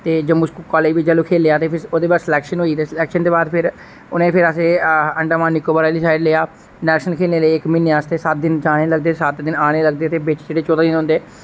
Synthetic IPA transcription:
t̪eːd͡ʒəmuːskukɔːleːʋiːd͡ʒəlũːkʰeːleːaːt̪eːpʰɪɾoːd̪eːbaːsɪlɛːkʃənɦoːiːt̪eːslɛːkʃənt̪eːbaːd̪pʰɪɾ | ʊnẽːpʰɪɾəseːəɳɖəmaːnːɪkoːbəɾaːlisaːɪɖleːaː | lɛːkʃənkʰeːlneːləiɪkmiːnːeaːst̪eːsət̪̚d̪ɪnt͡ʃaːneːləɡd̪eːsət̪d̪ɪnaːneːləɡ̚d̪eːt̪eːbɪt͡ʃd͡ʒeːɽeːt͡ʃoːt̪aːd̪ɪnɦʊ̃nd̪eː

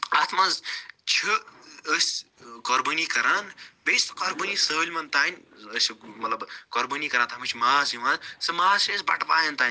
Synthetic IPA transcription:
ɐt̪ʰmazt͡ʃʰiəsʲ | kɐɾbənikɐɾanbesʲt̪kɐɾbənisəɦlʲmɐnt̪aːnʲəsʲmɐt̪lɐbkoɾbəniːkɐɾaːnt̪ʰɦmɐt͡ʃʰimaːsimɐzsɨmaːsʰesʲbɐ̰ʈpaːjɐnt̪aːnʲ

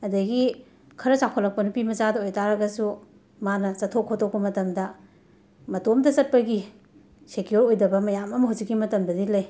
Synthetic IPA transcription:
ɐdɐɡi | kʰɐɾɐsakʰolɐk̚pɐnupimɐzadɐojtaɾɐɡɐsu | manɐsɐtʰːokʰːotʰok̚pɐmɐtɐmdɐ | mɐtomtɐsɐt̚pɐɡi | sekioɾojdɐbɐmɐjamɐmɐɦawzikːimɐtɐmbɐdilɐj

